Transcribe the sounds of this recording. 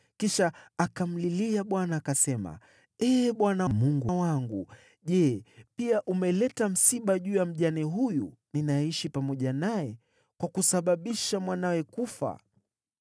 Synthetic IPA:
kiʃaːkam̩liliaɓwanaːkasɛma̰ | ɛːɓwanamuŋɡawaŋɡṵ | ʄɛpiaʔumɛlɛtam̩siɓaʄuːjam̩ʄaniɦujṵninajɛiʃipamɔʄanajɛ | kwakusaɓaɓiʃamwanawɛkufa̰

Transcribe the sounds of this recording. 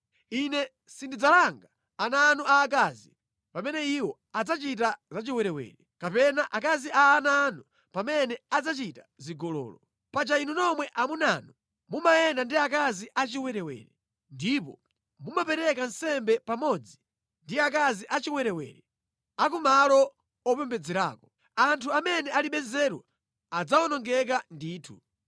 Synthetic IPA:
inɛ | sindid͡zalaŋɡaː | nanuaːk̬azi | pamɛnɛiwɔ | ad͡zat͡ʃit̬azat͡ʃiwɛɾɛwɛ̰ːɾɛkapɛnaʔakaziʔaːnanu | pamɛnɛad͡zat͡ʃitaziɡɔlɔ̰ːlɔ | pat͡ʃainunɔmwɛʔamunanu | mumajɛndandiakaziʔat͡ʃiwɛɾɛwɛ̰ːɾɛ | ndipɔ̰ | mumapɛɾɛkansɛmbɛpamɔd͡zi | ndiak̬aziʔat͡ʃiwɛɾɛwɛ̰ːɾɛ | akumalɔ | ɔpɛmbɛd͡zɛɾa̰ːkɔ̥ | antʰuamɛnɛaliɓɛzɛɾwa | ad͡zaɔnɔŋɡɛk̬andiːtʰṵ

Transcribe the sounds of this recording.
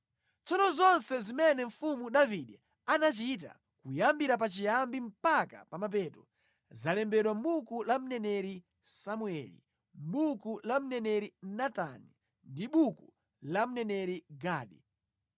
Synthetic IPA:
t͡sɔnɔzɔnsɛzimɛnɛɱ̩fumuɗaviɗɛ | anat͡ʃit̬a̰ | kujambiɾap̬at͡ʃijambim̩paka̰pamap̬ɛːtɔ | zalɛmbɛɗwam̩ɓukulam̩nɛnɛɾi | samuɛlḭ | ɓukulam̩nɛnɛɾinatani | ndiɓuku | lam̩nɛnɛɾiɡaːɗi

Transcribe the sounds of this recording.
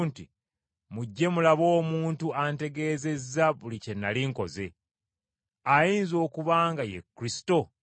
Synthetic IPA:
nti | muɟːe̞mulaβo̞ːmuːntuante̞ɡe̞ːze̞zːaβulice̞nːaliŋko̞̰ze̞ | ajiːnzo̞ːkuβaːŋɡajḛkːɾisi̥to̞

